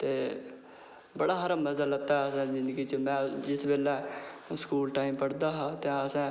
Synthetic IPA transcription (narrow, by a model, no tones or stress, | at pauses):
t̪eː | bəɽaːɦəɾaməzaːlət̪aːɦɛəsɛ̃ːd͡ʒɪnd̪ɡiːt͡ʃəmɛ̃ːd͡ʒɪsbeːlɛːskuːlʈaːiːmpəɽd̪aːɦãːt̪ɛ̃ːəsɛ̃ː